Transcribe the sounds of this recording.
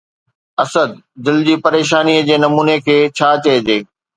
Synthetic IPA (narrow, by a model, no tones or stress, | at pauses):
ɐsəd̪̚d̪ɪld͡ʑiːpɐɾeːʃ̬aːniəd͡ʑeːnɐmuːnekʰeːt͡ɕʰaːt͡ɕɐed͡ʑeː